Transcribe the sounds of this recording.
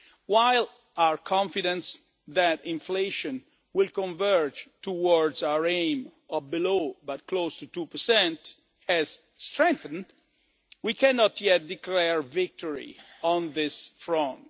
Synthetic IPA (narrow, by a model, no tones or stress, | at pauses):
waɪl | awəɹkʰɔ̃ɱfidɛ̃ns | ðæɾɪ̃ɱfleʃɔ̃n | wɪlˠkɔ̃ɱvɛɹd͡ʒtuwɔɹdzawəɹẽɪ̃m | ɔbilobat̚kʰlostutupəɹsɛ̃nt | ɛz̥ | stɹɛ̃ŋθə̃n | wikʰɛnɔtʰjɛt̚diklɛɹvɪk̚tɔɹḭɔ̃nðɪsfɹɔ̃nt